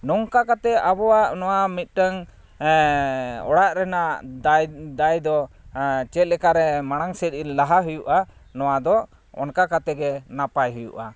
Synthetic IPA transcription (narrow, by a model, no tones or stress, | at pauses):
nɔŋkakat̪ɛʔabɔwaʔnɔwamit̪̚ˀʈəŋ | ɔ̰ɽaʔɾɛnaʔ̪ | d̪ajd̪ɔ | t͡ʃɛt̪̚ˀlɛkaɾɛmaɽ̃aŋsɛt̪̚ilaɦaɦujuʔanɔwad̪ɔ | ɔ̰nkakat̪ɛɡɛnapajɦujṵʔa